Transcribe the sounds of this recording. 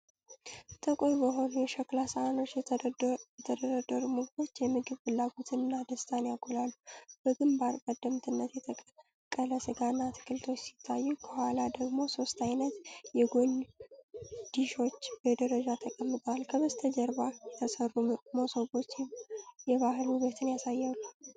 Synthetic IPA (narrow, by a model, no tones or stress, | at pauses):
t̪ʰʼəkʼɾbəɦo̞nujɛʃəklasaano̞t͡ʃːj | jɛt̪ʰəd̪əɾəd̪ːəɾumɨɡbo̞t͡ʃːjɛmɨɡɨβfɨlːaɡot̪ʰɨnɨnːad̪əst̪ʰanjaɡʰolalːub̥əɡɨmbaɾkʼəd̪ːəmt̪ʰɨnːət̪jɛt̪ʰə | kʼələsɨɡanːat̪ʰɨ̥kʰɨlt̪ʰo̞t͡ʃːsi̥t̪ʰːajːukʰəhwalad̪əɡmo̞so̞st̪ʼajnət̪jɛɡo̞n | d̪̥iʃo̞t͡ʃːbəd̪əɾəd͡ʒat̪ʰəkʼəmːɨt̪ʼwalkʰəβəst̪ʰəd͡ʒəɾbajɛt̪ʰəsərːumosoɡo̞t͡ʃːjɛβaɦɨlhuβet̪ʰɨnjasajːalːu